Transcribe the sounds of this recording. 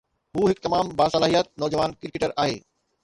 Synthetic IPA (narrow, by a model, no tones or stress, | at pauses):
ɦuːɦɪkt̪ɐmaːmbaːsɐlaːɦijət̪̚nɔːd͡ʑəʋaːnkɪɾkeʈəɾaːɦḛː